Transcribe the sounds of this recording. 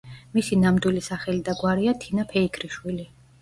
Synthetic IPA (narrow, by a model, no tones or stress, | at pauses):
misinamd̪wilisaχɛlid̪aɡwaɾiat̪ʰinapʰɛikʰɾiʃwili